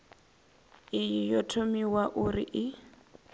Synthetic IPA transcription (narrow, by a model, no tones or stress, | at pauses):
ɪjijɔtʰomiwaʔʊriʔɪ